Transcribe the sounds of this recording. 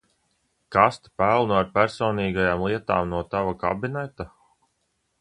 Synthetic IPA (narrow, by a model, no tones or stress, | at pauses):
kast̪pælˠnuaɾpæɾsɔːniːɡajaːmlˠiɛt̪a̰ːmnuɔt̪avaka̰binɛt̪a